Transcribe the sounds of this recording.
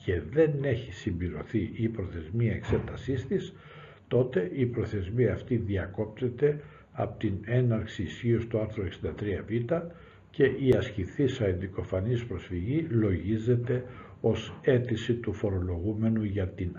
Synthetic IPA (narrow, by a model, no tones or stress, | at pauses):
ce̞ðe̞ne̞çisimbliɾo̞θiʔipɾo̞θe̞zmiɐekse̞t̪ɐsist̪is | t̪o̞t̪e̞ʔipɾo̞θe̞zmiɐːft̪iðiɐko̞p̚t̪e̞t̪e̞ | ɐpo̥t̪ine̞nɐɾksiːsçio̞st̪oɐɾθɾoeksind̪ɐt̪ɾiɐvit̪ɐ | ce̞ʔiɐsciθisɐend̪iko̞fɐnispɾo̞sfiʝilo̞ʝize̞t̪e̞ | o̞se̞t̪isit̪ufo̞ɾo̞lo̞ɣume̞nuʝɐt̪in